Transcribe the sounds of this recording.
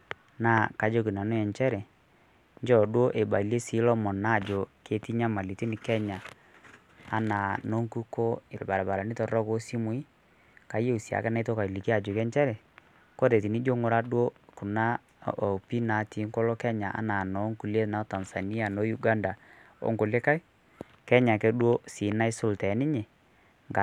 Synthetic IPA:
na˦˨ka˨˦d͡ʒo˦k̬i˨na˨nu˦ɛ˨ɲt͡ʃɛ˦ɾɛ˨ | ɲd͡ʒɔ˦˨dwo˦ʔe˨ba˨i˨le˦si˨˦lɔ˦mɔ˨nːa˦˨d͡ʒo˨ke˨ti˦ɲa˦ma˨li˨ti˦ni˨kɛ˦ɲa˨ | a̰˨na˨no˦ŋku˦ko˦ɪ˨lba˨ɾa˨ba˨ɾa˨ni˦tɔ˨rɔ˦ko˦si˦mu˦i˦ | ka˨je˦u˨si˨a̰˨kɛ˦na˦to˦ka˨i˨li˨ki˦a˨d͡ʒo˨kɛ˦ɲt͡ʃɛ˦ɾɛ˨ | ko˦ɾe˨t̬i˨ni˦d͡ʒo˦ŋʊ˦ɾa˦dwo˦ku˨na˦˨ | o˨pi˦na˨˦ti˨˦ŋkɔ˦lɔ˦kɛ˦ɲa˨ʔa̰˦na˨nɔ˨˦ŋku˨le˦na˨˦ta˨nsa˨ni˦a˨no˨˦ju˦ɡa˦nda˨ | o̰˦ŋko˨lɪ˦ka˦ɪ˦ | kɛ˦ɲa˨kɛ˨˦dwo˦si˨˦na˦ɪ˦sʊ˦ltɛ˨˦nɪ˦ɲe˨ | ŋɡa˨

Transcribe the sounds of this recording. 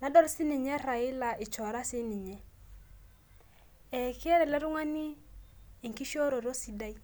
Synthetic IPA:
na˨dɔ˦ɾsi˦ni˨ɲɛ˦ɾa˨i˦la˨i˨t͡ʃɔ˨ɾa˦sɪ˦ni˨ɲɛ˦ | ɛ˨kɛ˦ɾɛ˨lɛ˦ɾʊ˦ŋa˦niː˦˨ | ŋki˦ʃo˦ɾo˨ɾo˦si˨da˦i˦

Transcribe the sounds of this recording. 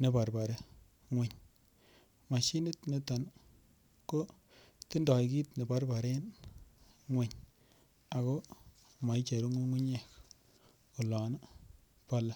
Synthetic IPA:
ne˨pa˨ɾba˨ɾe˦ | ŋwe˨ɲ | ma˨ʃi˦nɪ˦tne˦ta˨n | ko˦ | ti˦ndɔ˨jki˦tne˨ba˦ɾba˨ɾe˦n | ŋwe˨ɲ | a˨ko˦ | ma˨jt͡ʃe˨ɾu˦ŋo˦ŋu˦ɲe˦˨k | u˨lɔ˨n˦ | pa˦la˦

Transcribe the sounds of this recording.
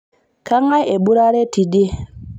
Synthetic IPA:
ka˦ŋa˦je˨bu˦ɾa˦ɾe˦ti˨de˦

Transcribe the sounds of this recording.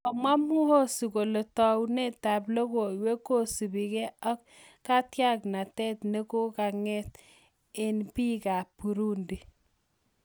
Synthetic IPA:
ɔ˨ma˦mu˦ho˦su˨ko˨le˨tɔ˨wne˦ta˨plo˦ko˨we˦ko˦su˨bi˨ke˦a˦k̚ | ka˦tja˦kna˨tɛ˦tne˦ko˦ka˨ŋɛ˦t | e˨npi˦ka˨pu˨ɾu˦ndi˨

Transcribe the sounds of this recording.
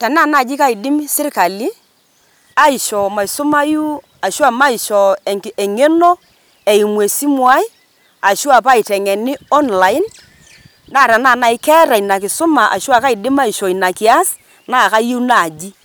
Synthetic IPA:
tɛ˨na˦˨na˦˨d͡ʒi˦ka˦ɪ˨dɪ˦msɪ˦rka˨li˦ | a˦i˨ʃɔ˨ma˨i˨sʊ˦ma˦ju˦ | a˨ʃwa˦˨ma˦i˨ʃɔ˨e˨ŋe˦no˦ | e˨i˨mwe˨si˦mwa˦i˦ | a˨ʃu˦a˨pa˦ɪ˨tɛ˨ŋɛ˨ni˦ɔ˦nla˨ɪ˦n | da˦˨ɾɛ˨na˦˨na˨ɪ˦kɛ˦ɾa˨i˨na˨kɪ˨sʊ˦ma˨ʔa̰˨ʃu˦a˦˨ka˦i˨dɪ˦ma˦i˨ʃɔ˨i˨na˨kɪ˨a˦s | na˦˨ka˦je˦na˨d͡ʒi˦

